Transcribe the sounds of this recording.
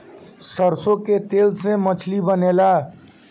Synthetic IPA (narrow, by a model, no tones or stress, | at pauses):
səɾsoket̪elsẽmət͡ʃʰlibənela